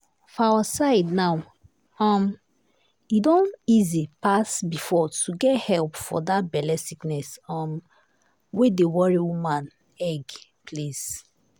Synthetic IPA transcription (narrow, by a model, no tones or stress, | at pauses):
fawasaɪdnaw | ɔm | idõnizipasbifɔtʰuɡɛthɛlpfɔ̰dat̚bɛlɛsiknɛsɔ̃m | wedewɔɹiwumãn | ɛɡplis